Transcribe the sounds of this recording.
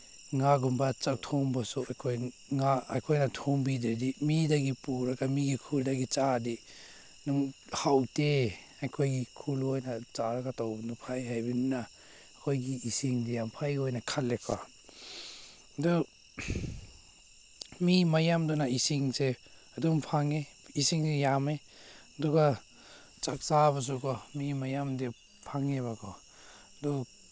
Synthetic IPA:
ŋaɡumbat͡ʃak̚tʰɔŋbasuajkʰoj | ŋaajkʰojnatʰoŋbidedimidaɡipuɾaɡamiɡikʰuldaɡit͡ʃadi | nuŋhawte | ajkʰojɡikʰulojnat͡ʃaɾakatawbnupʰajɦajbinuna | kʰojɡiːsiŋdijampʰajojnakʰalːekʰa | dɔ | mimajamdɔnaisiŋse | adumpʰaŋe | isiŋsejame | ɐduɡa | t͡ʃak̚saβas̬ukɔmimajamde | pʰaŋeβakʰɔ | dɔ

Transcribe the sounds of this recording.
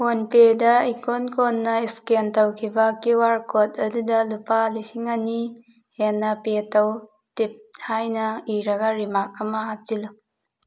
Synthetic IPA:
honpedɐikonkʰonːɐiskentɐwkʰibɐkiwaɾkʰot̚ɐdudɐlupalisiŋani | henːɐpetɐw | tip̚hajnɐiɾɐɡɐɾimak̚ɐmɐɦat͡ʃilu

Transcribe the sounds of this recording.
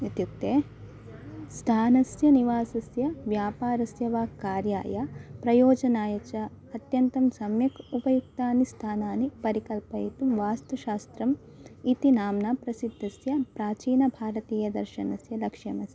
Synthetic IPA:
it̪juk̚t̪eː | st̪ʰaːnɐsjɐniʋaːsɐsjɐʋjaːpaːɾɐsjɐʋaːkaːɾja̰ːjɐpɾɐjoːd͡ʒɐnaːjɐt͡ʃɐ | ɐt̪jɐnt̪ɐmsɐmjɐkupɐjuk̚t̪aːnist̪ʰaːnaːnipɐɾikɐlpɐit̪umʋaːst̪uʃaːst̪ɾɐm | it̪inaːmnaːpɾɐsid̪ʱːɐsjɐpɾaːt͡ʃiːnɐbʱaːɾɐt̪iːjɐd̪ɐ̰ɾʃɐnɐsjɐlɐkʂɐmɐsɐ

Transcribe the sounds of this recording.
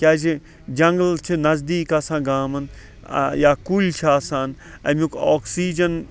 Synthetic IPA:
kʲaːd͡ʒi | d͡ʒɐ̃ŋɡlt͡ʃʰinɐzd̪iːkaːsãːɡaːmɐn̰ | jaːkulʲt͡ʃʰiaːsaːn | ɐ̰mũkoːksiːd͡ʒɐn

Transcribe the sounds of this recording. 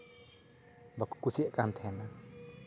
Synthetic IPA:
baku̥kusiaʔkant̪ʰɛna

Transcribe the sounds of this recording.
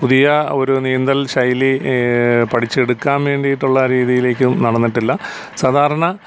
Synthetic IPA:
puðijɐo̞ɾunijɐnd̪ɐlɕɐjli | pɐʈʰit͡ɕːe̞ɽukːaːnʋe̞ːɳɖijiʈːuɭːɐɾiːðijile̞ːkʲːumnɐɽɐnːiʈːilːɐ | saːd̪ʱaːɾɐɳɐ

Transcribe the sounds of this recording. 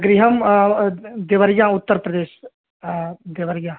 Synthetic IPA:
ɡɾɪɦəm | d̪eʋəɾjãːʊt̪ːəɾpɾəd̪eːʃ | d̪eʋəɾjãː

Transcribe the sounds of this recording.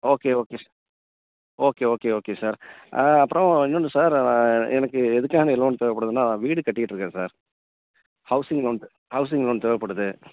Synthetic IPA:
oːkeːoːkeː | oːkeːoːkeːoːkeːsaːɾʔaːɐpːɯɾõɐɲd͡ʒoɳːɯsaːɾãɛnɐkːɯɛðɯkːaːnɐɪloːnt̪ɔjʋɐpːɐɽɐðɯnːaːnãːʋiːɽɯkɐʈːɯkɪʈːɾɯkːẽːsaːɾ | hɐʊsɪŋɡloːn | hɐʊs̬ɪŋɡloːnt̪ɔːjʋɐpːɐɽɯðɯ

